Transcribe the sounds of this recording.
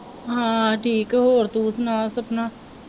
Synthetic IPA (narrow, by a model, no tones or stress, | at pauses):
ɦãːʈʰiːkɦoːɾt̪ũːsnaːsəpnaː